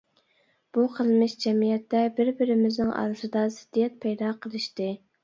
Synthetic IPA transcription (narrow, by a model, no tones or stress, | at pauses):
b̥uqʰəlˠmɪʃd͡ʒɛmijɛt̪ːɛbɪɾbɪɾɪmɪznɪŋʔɑ̰ɾɨsɨd̪ɑsɪ̥d̪̥ːijɛt̪̚pʰɛjd̪ɑqʰəlˠɨʃt̪ɨ